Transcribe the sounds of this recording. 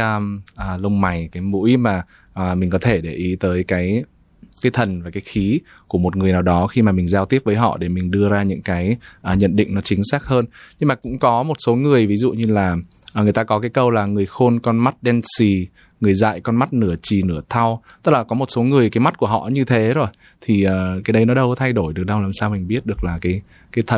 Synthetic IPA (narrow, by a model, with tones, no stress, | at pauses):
ʔəː˨˩lə˧wŋ͡mma˨˩jkaː˨˦jmṵ˧˥jmaː˨˩ | ʔəː˨˩mi˨˩ŋ̟kɔ˨˦t̪ʰe˧˩ɗe˧˩ʔi˨˦t̪əː˨˦jkaː˨˦j | kaː˨˦jt̪ʰə˨˩nvaː˨˩kaː˨˦jxi˨˦ | ku˧˩əmo˨˩t̚ŋɨ˨˩əjnaː˨˩wɗɔ˨˦xi˧maː˨˩mï˨˩ŋ̟zaː˧t̪i˦˥əp̚vəː˨˦jɦɔ̰˧˨ɗe˧˩mï˨˩ŋ̟ɗɨ˧əzaː˧ɲɨ̰˧˥ŋkaː˨˦jʔəː˨˩ɲə̰˧˨nɗḭ˧˨ŋ̟nɔ˨˦t͡ɕï˨˦ŋ̟saː˦˥k̚həː˧nɲɨ˧ŋmaː˨˩kʊ̰˧˥ŋ͡mkɔ˨˦mo˨˩t̚so˨˦ŋɨ˨˩əjvi˨˦zṵ˧˨ɲɨ˧laː˨˩˨ | ŋɨ˨˩əjt̪aː˧kɔ˨˦kaː˨˦jkə˧wlaː˨˩ŋɨ˨˩əjxo˧nkɔ˧nma˦˥t̚ɗɛ˧nsi˨˩ | ŋɨ˨˩əjza̰ː˧˨jkɔ˧nma˦˥t̚nɨ˧˩ət͡ɕi˨˩nɨ˧˩ət̪ʰa˧wt̪ə˦˥k̚laː˨˩kɔ˨˦mo˨˩t̚so˨˦ŋɨ˨˩əjkaː˨˦ma˦˥t̚ku˧˩əɦɔ̰˧˨ɲɨ˧t̪ʰe˨˦zo˨˩j | t̪ʰi˨˩ʔəː˨˩kaː˨˦jɗə˨˦jnɔ˨˦ɗə˧wt̪ʰa˧jɗo˧˩jɗɨ˨˩ək̚ɗə˧wlaː˨˩msaː˧wmï˨˩ŋ̟ɓi˦˥ət̚ɗɨ˨˩ək̚laː˨˩kaː˨˦j | kaː˨˦jt̪ʰə˨˩